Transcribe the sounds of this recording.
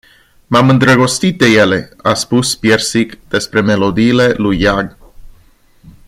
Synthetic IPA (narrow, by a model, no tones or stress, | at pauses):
mamɨnd̪ɾəɡo̞st̪it̪̚d̪e̞je̞le̞aspuspjersikd̪̥e̞spɾe̞me̞lo̞d̪iːle̞lujːaɡ